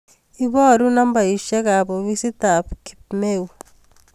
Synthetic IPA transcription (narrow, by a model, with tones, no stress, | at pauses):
iβɔ˦ɾunamba˨i˨ʃa˦ka˨βo˨βisi˦t̪a˨pki̥pmeu